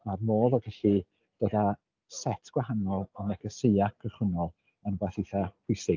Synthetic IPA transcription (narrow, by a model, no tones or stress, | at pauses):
armoːðɔɡɛɬi | d̥oda | sɛtʰɡ̥wahanɔlˠɔnɛɡəsejakʰəχʊnɔlˠ | ənbaθiθahʊjsɪɡ